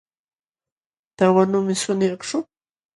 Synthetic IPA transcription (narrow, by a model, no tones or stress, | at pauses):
t̪awanʊmɪsʊnjɑχʈ͡ʂʊ